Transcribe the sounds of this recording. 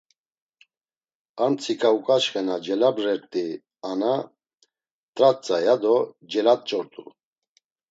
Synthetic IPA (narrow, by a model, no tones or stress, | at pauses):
ant͡sʰikʼaukʼaʃχɛnad͡ʒɛlabɾɛɾt̪ʼi | ana | t̪ʼɾat͡sʼajad̪ɔ | d͡ʒɛlat̪̚ʼt͡ʃʼɔɾt̪ʼṵ